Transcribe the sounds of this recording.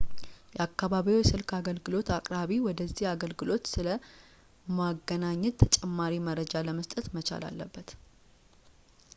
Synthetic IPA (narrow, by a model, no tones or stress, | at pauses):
jɛakːaβaβiojɛsɨlkʰaɡəlɡɨlo̞t̪akʼɾaβiwɔd̪əzːihaɡəlɡɨlo̞t̪sɨlə | maɡːənaɲːɛt̪̚t̪ʰːət͡ʃʼɛmːaɾiməɾəd͡ʒaləməst̪ʼət̪mət͡ʃʰa̰la̰lːəbːət̪